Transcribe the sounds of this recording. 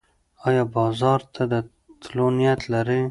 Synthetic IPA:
ɑjɑbɑzɑɾt̪ʰad̪ə | t̪lonijat̪laɾe

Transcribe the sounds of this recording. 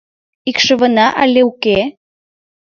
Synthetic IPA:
ikʃə̆βə̆nɑʔɑ̰lʲeuke

